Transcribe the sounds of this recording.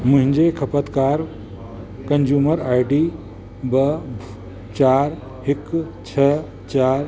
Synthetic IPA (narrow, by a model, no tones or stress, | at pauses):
mũɦĩnd͡ʒekʰɐpət̪kaːɾ | kɐnd͡ʒuːməɾaːjʈi | bə | t͡ʃaːɾ | hikt͡ʃʰə | t͡ʃaɾ